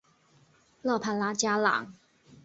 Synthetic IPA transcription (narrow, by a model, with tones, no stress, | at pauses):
lɤ˥˨˩pʰa˧˥nla˧˥t͡ɕja˥lɑ̰˨˩˦ŋ